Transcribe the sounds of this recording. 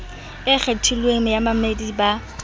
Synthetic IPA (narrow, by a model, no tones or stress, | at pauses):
ɪk͡xʰetʰilweŋɪjamamediba